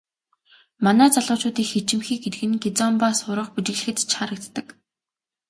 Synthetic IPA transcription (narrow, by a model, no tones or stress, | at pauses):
manæːt͡saɮʊːt͡ɕʊːt̪iːxet͡ɕɪ̆mxiːk̚ɡet̪ɘ̆ɣɘ̆nket͡sɔmpasʊɾə̆χput͡ɕɪ̆ɣɮɘ̆xɘ̆t̪t͡ɕʰaɾə̆k̚t̪ːə̆k